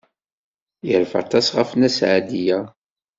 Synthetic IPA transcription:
jəɾfə̰ʁt̪ɑsʁəfnæsʕad̪ijæ

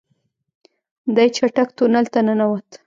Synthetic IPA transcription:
d̪ajt͡ʃaʈakt̪onalt̪ananawat̪

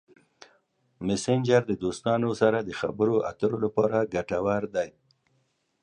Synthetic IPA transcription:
mɪsɪnd͡ʒaɾd̪əd̪ost̪ɑnosaɾad̪əxa̰bəɾoʔa̰t̪əɾolapɑɾaɡaʈawaɾd̪aj

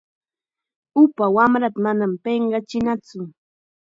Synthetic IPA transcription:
ʊpawamɾat̪amanampeɴɢɑt͡ʃɪnat͡sʊ

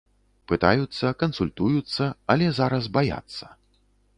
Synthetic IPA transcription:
pɨt̪ajut̪sːɐkɐnsulʲt̪ujut̪sːɐɐlʲɛzaɾɐzbaja̰t̪sːɐ̥

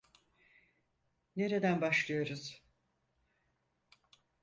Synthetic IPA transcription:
ne̞ɾed̪ænbaʃlˠɯjo̞ɾuz̥

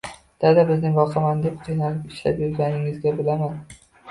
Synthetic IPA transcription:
d̪̥ad̪abɪznɪŋvɒqʰɑmand̪ep̚qʰɨjnalɪpɪʃla̰pjʊɾɡʲanɪŋɪzɡʲabɪlaman

